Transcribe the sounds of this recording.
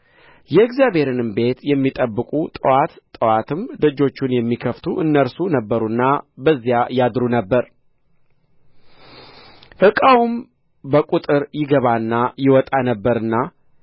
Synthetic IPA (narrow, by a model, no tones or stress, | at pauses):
jɛːɡzjaβe̞ɾɨnɨmbe̞t̪jɛmːit̪ʼəbːɨkʼut̪ʼəwat̪t̪ʼəwat̪ʰɨmd̪əd͡ʒo̞t͡ʃːunjɛmːikʰəft̪ʰuʔɨnːəɾsunəbːəɾunːabəzːijajad̪ɾunəbːəɾ | ʔɨkʼawum | bəkʼut̪ʼɨɾjɪɡəβanːajɪwɔt̪ʼanəbːəɾɨnːa